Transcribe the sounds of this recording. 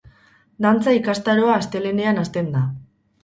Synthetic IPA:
d̪ant͡saikast̪aɾo̞aːst̪e̞le̞ne̞anast̪e̞nd̪a

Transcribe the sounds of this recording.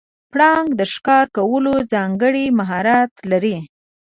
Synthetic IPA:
pɽɑŋɡd̪əʃkɑɾkawəlozɑŋɡəɽimaɦɑɾat̪laɾi

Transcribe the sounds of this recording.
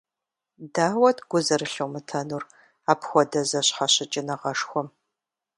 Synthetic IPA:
daːwɐtʰɡ̥ʷʊzɐrɨɬowmɨtʰɐnuːr | aːpʰxʷɔdɐzɐɕħaɕɪt͡ʃʼɪnɐʁɐʂxʷɔm

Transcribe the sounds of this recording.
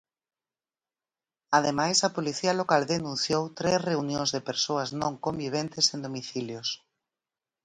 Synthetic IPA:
að̞emajsɐpoliθialokald̪enũnθjowt̪ɾesreunjõŋzðepeɾsoɐznõŋkombiβ̞ent̪esẽnd̪omiθiljos

